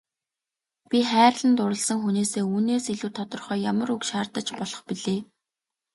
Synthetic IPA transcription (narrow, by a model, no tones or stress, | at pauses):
pʲiχæːrɮə̆nt̪ʊɾə̆ɮsə̆ŋxuneːseːuːneːsiɮuːt̪ʰɔt̪ɞ̆rχœːjamə̆rukʃaːrt̪ə̆t͡ɕpɔɮɞ̆χpiɮeː